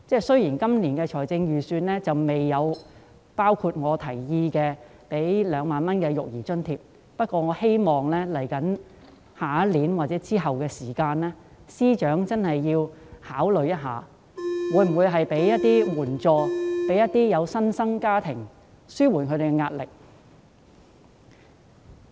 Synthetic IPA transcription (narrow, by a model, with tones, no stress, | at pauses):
t͡sɛː˥˩sɵ˥ɥjiː˨˩nkɐ˥mniː˨˩nkɛː˧t͡ʃʰɔː˨˩jt͡sɪ˧ŋjyː˨syː˧nlɛː˥t͡sɐ˨wme˨jːɐ˨˧w | paː˥wkʰu˧t̚ŋɔː˨˧t̪ʰɐ˨˩jjiː˧kɛː˧ | pe˨˥jlœː˨˧ŋmaː˨nmɐ˥nkɛː˧jʊ̰˨k̚jiː˨˩t͡ʃɵ˥nt̪ʰiː˧p̚ | pɐ˥t̚kʷɔː˧ŋɔː˨˧he˥jmɔː˨˩ŋlɛː˥lɐ˨˩jkɐ˨˥n | haː˨˥liː˨˥nwaː˨˩t͡sɛː˨˥t͡siː˥ɦɐ˨wkɛː˧siː˨˩kaː˧nlɛː˥ | siː˥t͡ʃœː˨˥ŋt͡sɐ˥nhɐ˨jːiː˧whaː˨˥wlɵ˨ɥjɐ˥t̚ɦaː˨˧ | wuː˨˧˥jm̩˨˩wuː˨˧jɦɐ˨jpe˨˥jjɐ˥t̚t̪ːiː˥wuː˨˩nt͡sɔː˨˧pe˨˥jɐ˥t̪̚iː˥jɐ˨˧wsɐ˥nsɐ˥ŋkaː˥t̪ʰɪ˨˩ŋ | syː˥wuː˨˩nkʰɵ˨˧ɾe˨˩kɛ˧ŋaː˧t̚lɪ˨k̚